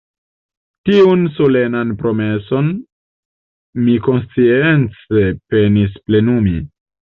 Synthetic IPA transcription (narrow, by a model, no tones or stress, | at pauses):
tiunso̞le̞nanpɾo̞me̞so̞n | miko̞nst͡sie̞nt͡se̞pe̞nisple̞numi